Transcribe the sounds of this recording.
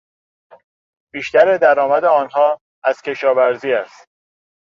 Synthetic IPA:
b̥iːʃt̪æɾed̪æɾɒːmæd̪eɒːnhɒː | æz̥cʲʰe̞ʃɒːvæɾziːæst̪̚

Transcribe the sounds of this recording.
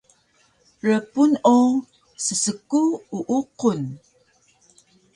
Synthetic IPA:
ɾəpuno | səsəkuuʔuqʊn

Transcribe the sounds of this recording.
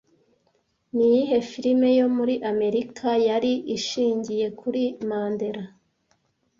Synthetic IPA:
nijiɦe̞fiɾime̞jo̞muɾiʔame̞ɾikʰajaɾiʔiʃiːɲɟije̞kʰuɾimaːnde̞ɾa

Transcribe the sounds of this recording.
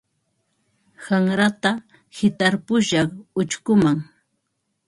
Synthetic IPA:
haŋɾat̪a | hɪt̪aɾpʊʃɑχʊt͡ʃkʊmaŋ

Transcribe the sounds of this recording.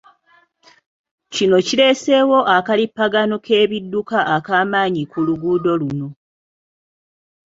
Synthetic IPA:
cino̞cile̞ːse̞wo̞ʔakalipːaɡanokʰe̞ːβidːukaʔakaːmaːɲikuluɡuːdo̞luno̞

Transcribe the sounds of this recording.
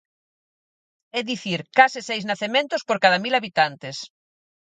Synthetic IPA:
ɛðiθiɾkasɪsejznaθemẽnt̪ospoɾkaðamilaβit̪ant̪es

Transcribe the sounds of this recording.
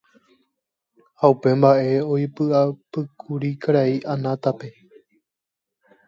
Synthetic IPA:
haupẽ̞mbaʔe̞oipɨʔapɨkʰuɾikaɾaiʔanãt̪ape̞

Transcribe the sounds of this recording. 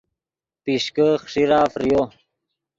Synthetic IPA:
piʂkəxʂiɾaːfɾijo

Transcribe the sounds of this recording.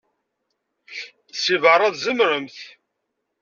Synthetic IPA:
θsivəɾˤɑðzəmɾəmθ

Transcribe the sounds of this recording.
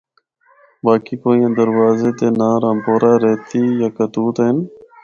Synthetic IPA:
baːkiːkoːĩẽːd̪əɾʋaːzeːt̪eːnãːɾãːmpoːɾaːɾeːt̪iːjaːkət̪uːt̪ɦɪn

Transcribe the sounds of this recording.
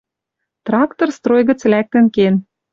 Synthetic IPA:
t̪rɑkt̪orst̪ɾojɣə̆t͡slæk̚t̪ə̆nken

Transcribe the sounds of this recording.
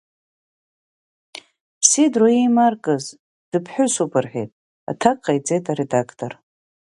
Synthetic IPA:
pʰsidroimarkʼɨz | d̥ɨpʰħʷᶣʊsupʰɨrħᶣḛjtʼ | a̰tʰakʼːajt͡sʼe̞jtʼaɾedakʰtʰʼor

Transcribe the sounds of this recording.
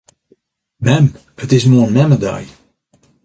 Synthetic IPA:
mɛm | ətɪsmoənmɛməda̰j

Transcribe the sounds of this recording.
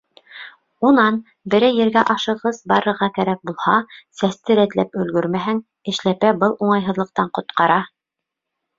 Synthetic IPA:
unɑn | bɘ̆ɾɘjɘ̆ɾɡæʔɑʃɤ̆ʁɤzbɑɾɤ̆ɾʁɑkæɾæk̚bulˠhɑsæst̪ɘ̆ɾæt̪læpɵ̆lɡɵɾmæɦæŋ | ɘ̆ʃlæpæbɤlˠuɴɑjɦɤ̆ðlˠɤ̆q̚t̪ɑɴqŏt̪qɑɾɑ

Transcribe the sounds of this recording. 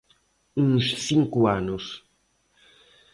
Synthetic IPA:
ũŋssiŋkʊanʊs

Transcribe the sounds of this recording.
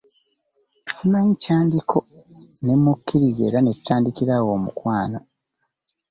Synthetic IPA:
simaɲcaːndikʰo̞ne̞mːukʰːiɾize̞̰ːɾanetu̥taːndikiɾawo̞ːmṵkwaːno̞

